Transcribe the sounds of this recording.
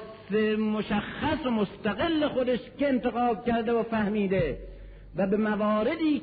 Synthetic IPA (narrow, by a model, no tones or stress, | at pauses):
semoʃæxːæsomost̪æɣelːexod̪eʃkeent̪eɣɑːb̪̚kæɾd̪eofæhmiːd̪e | væbemævɒːɾed̪iː